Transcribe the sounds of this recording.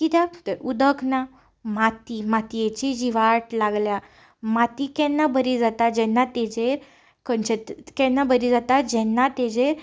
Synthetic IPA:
kit̪at̪əɾud̪əkna | mat̪imat̪iet͡ɕid͡ʑiʋaʈlaɡlja | mat̪ikɛnːabʱəɾid͡zat̪ad͡ʑɛnːat̪ɛd͡zeɾ | kənt͡ɕet̪kɛnːabəɾid͡zat̪ad͡ʑɛnːat̪ɛd͡zeɾ

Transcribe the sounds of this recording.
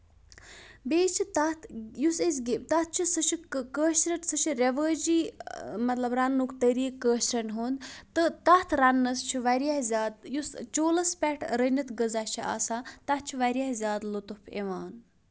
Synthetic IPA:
beːt͡ʃʰit̪ɐt̪ʰjusesɡt̪ɐt̪̚t͡ʃʰisɨt͡ʃʰikəːʃɾɐʈsɨt͡ʃʰiɾʲeʋəːd͡ʒiːmɐt̪lɐbɾanːukt̪əɾiːkːəːʃɾɐnɦuːnd̪t̪ɨt̪ɐt̪ʰɾɐnːɐst͡ʃʰiʋɐɾijahzʲaːd̪̚just͡ʃoːlɐspɛʈʰɾənɐt̪ɡəzat͡ʃʰiʔa̰ːsaːt̪ɐt̪̚t͡ʃʰiʋɐɾijahzʲjaːd̪lut̪upʰḛʋaːn

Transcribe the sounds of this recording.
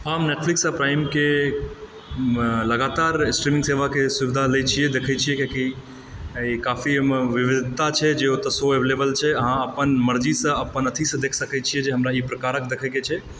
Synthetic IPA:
ɦamneʈ̚fʰliksapɾaɪmke | ləɡat̪aɾsʈɾimĩŋseʋakesubid̪ʱalət͡ʃʰiɛd̪ekʰət͡ʃʰijɛkeki | ikafimʋiʋid̪ʱit̪at͡ʃʰɛd͡ʒeot̪əsoeblebəlt͡ʃʰɛəɦãəpənməɾd͡ʒisə̃əpənət̪ʰisə̃d̪ekʰsəkɛt͡ʃʰijɛd͡ʒeɦəmɾaipɾəkaɾəkd̪ekʰɛket͡ʃʰɛ

